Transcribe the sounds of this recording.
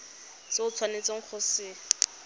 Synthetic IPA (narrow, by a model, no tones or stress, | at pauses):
sɪʊt͡sʰwanet͡sʼeŋ̩q͡χʰosɪː